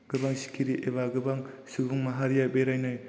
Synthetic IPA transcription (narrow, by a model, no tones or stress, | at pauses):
ɡ̥ɯbaŋsi̥kʰiɾiʔeβaɡɯbaŋsibuŋmaɦaɾijabeɾajnoj